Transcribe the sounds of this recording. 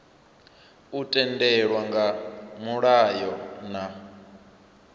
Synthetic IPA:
utʼɛndɛɺwaŋɡamuɺajɔna

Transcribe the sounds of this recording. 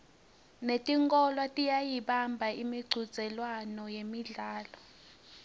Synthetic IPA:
netʼiŋkʼɔlwatʼijajiɓambʱaimiɡ͡ǀʱu̥z̥ʱɛlwanɔjemiɮaːlɔ

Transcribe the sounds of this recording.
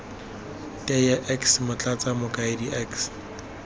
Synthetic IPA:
tʼɛjaʔɛksmʊt͡ɬʼat͡samʊkʼaɪdiʔɛks

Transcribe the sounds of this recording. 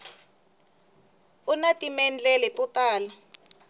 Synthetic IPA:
unatʼimɛnd͡ɮɛlɛkʼutʼaːla

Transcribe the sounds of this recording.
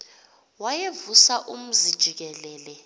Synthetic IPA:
wajevusaʔum̩zid̥ʒ̥ʱik̬ɛlɛːlɛ

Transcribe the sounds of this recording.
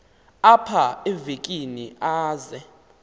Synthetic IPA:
apʰaɛvekʼiniʔaːzɛ

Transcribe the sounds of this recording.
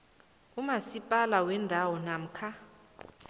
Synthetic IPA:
umasipʼalawɛndʱawɔnam̩kʰa

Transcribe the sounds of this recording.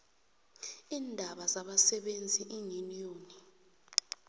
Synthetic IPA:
iːndʱaɓazaɓasɛɓend͡zʱiʔiŋinijoːni

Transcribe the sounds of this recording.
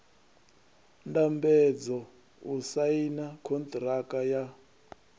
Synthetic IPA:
ndambɛd͡zɔ | usainakʰɔnt̪ʼrakaja

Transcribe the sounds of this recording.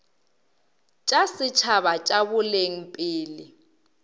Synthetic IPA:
t͡ʃʼasɪt͡ʃʰaβat͡ʃʼabʊleŋ̩pʼɪːlɪ

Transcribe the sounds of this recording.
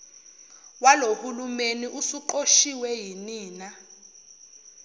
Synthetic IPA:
walohulumeniʔusuǃoʃiwɛjiniːna

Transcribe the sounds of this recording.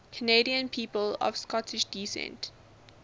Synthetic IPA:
kʰənediə̃npʰiːpəlɔ̰v̥skɔtʰɪʃdisɛ̰̃nt

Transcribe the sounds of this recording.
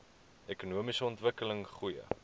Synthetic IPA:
ɛkunuəmisəɔntvəkələŋχujə̰

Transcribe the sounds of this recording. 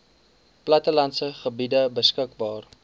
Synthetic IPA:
plɐtəlɐntsəχəbidəbəskək̚bɑːr

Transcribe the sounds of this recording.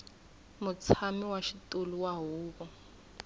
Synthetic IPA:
mʊt͡sʰamiwaʃitʼoluwaɦuːβɔ

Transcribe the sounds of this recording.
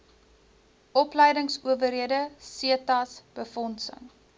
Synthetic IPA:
ʔɔplɛjdəŋsuəvəɾiədəsiətɐsb̥əfɔnsə̰ŋ

